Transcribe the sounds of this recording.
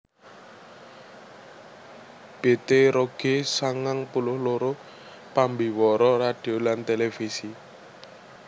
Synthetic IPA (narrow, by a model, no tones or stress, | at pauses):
b̥e̤t̪eɾoɡ̥esaŋaŋpulʊhloɾo | pambiwɔɾɔrad̥iolant̪elefisi